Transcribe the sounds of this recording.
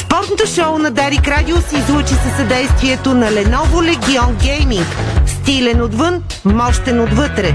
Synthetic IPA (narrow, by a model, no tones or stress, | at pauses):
spɔɾt̪not̪oʃɔʊnɐd̪aɾikɾad̪ʲiʊsiːzˠut͡ʃisəsɐd̪ɛjst̪viɛt̪onɐlɛnɔvolɛɡʲiɔnɡʲɛjmiŋkst̪ilɛnod̪vɤn | mɔʃt̪ɛnod̪vɤt̪ɾɛ